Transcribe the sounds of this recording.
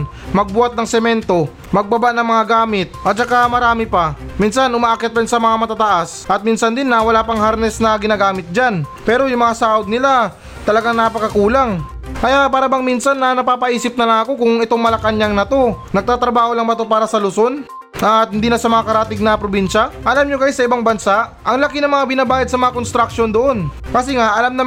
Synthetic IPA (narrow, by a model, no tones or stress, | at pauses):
mɐɡ̚bʊat̪̚nɐŋsɛmɛnt̪o̞ | mɐɡ̚bɐbaʔnɐŋmɐŋaɡaːmɪt̪̚ʔɐt̪̚t͡ʃɐkamɐɾaːmɪpaminsanʔʊmaʔakɛt̪̚ɐɾɪnsɐmɐŋamɐt̪at̪ɐʔasʔɐt̪̚minsɐnd̪ɪnːɐwɐlaːpɐŋhaɾnɛsnɐɡɪnaːɡaːmɪt̪̚d͡ʒanpɛːɾojʊŋmɐŋasaːod̪̚nɪla | t̪ɐlɐɡaŋnɐpɐkɐkuːlaŋ | kɐjapaːɾɐbɐŋminsɐnːɐnɐpaːpɐʔiːsɪp̚nɐlɐŋɐko̞kʊŋɪt̪o̞ŋmɐlɐkanɲaŋnɐt̪o̞nɐɡ̚t̪aːt̪ɾɐbaːho̞lɐŋbɐt̪o̞paːɾɐsɐlʊso̞n | ʔɐt̪̚hɪnd̪iːnɐsɐmɐŋakɐɾaːt̪ɪɡ̚nɐpɾobinʃɐʔɐlamɲokɐjɪsɐʔɪbaŋbɐnsaʔʔɐŋlɐkɪnɐŋmːɐŋabɪnabaːjɐd̪sɐmɐŋakonst̪ɾɐkʃo̞nd̪oʔo̞n | kɐsɛŋaʔɐlamnɐ